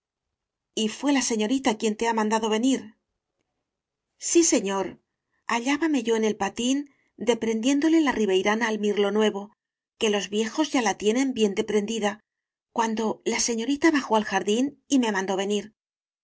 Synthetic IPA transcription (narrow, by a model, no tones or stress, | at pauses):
ifwe̞lase̞ɲo̞ɾit̪akje̞nt̪e̞amãnd̪aðo̞β̞e̞niɾ | sise̞ɲo̞ɾ | aʎaβame̞ʝo̞ene̞lpat̪in | d̪e̞pɾe̞nd̪je̞nd̪o̞le̞lariβ̞e̞jɾanaːlmiɾlo̞nwe̞βo̞ | ke̞lo̞zβje̞xo̞zʝalat̪je̞nẽ̞mbje̞nd̪e̞pɾe̞nd̪iða | kwand̪o̞lase̞ɲo̞ɾit̪aβaxo̞alxaɾðinime̞mãnd̪o̞βe̞niɾ